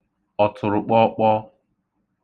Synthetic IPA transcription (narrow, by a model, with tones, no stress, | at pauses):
ɔ˨tʰʊ˨ɾʊ˨k͡pɔ˦k͡pɔ˦